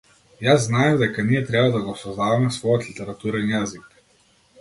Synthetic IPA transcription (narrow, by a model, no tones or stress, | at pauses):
jazːnajɛvd̪ɛkaniɛt̪ɾɛbad̪aɡɔsɔzd̪avamɛsvɔjɔt̪lit̪ɛɾat̪uɾɛnjazik